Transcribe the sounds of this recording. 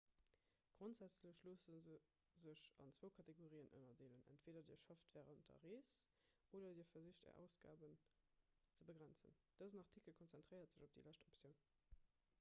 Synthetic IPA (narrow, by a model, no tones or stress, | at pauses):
ɡ̥ʁontz̥æt͡sləɕloːsənz | zəɕɑ̰nt͡sv̥oʊkʰɑtʰeɡoʁiːənʔə̰nɐdeːlənæ̰ntv̥eːdɐdḭːɐʃɑftvɛːʁəntdɐ̰ʁeːs | ʔoːdɐdiːɐfɐziɕtɛ̰ɐʔæ̰ʊsɡ̥a̰ːbən | t͡səbəɡʁænt͡sə̰n | d̥əzənɑʁtʰikəlkʰont͡sæntʁ̥əɪʁɐtz̥əʑop̚d̥ḭlæʃtopsjəʊn